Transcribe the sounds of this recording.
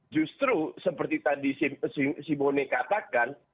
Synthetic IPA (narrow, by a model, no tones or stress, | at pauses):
d͡ʒust̪ɾusəpərt̪it̪adisisisimonekat̪akan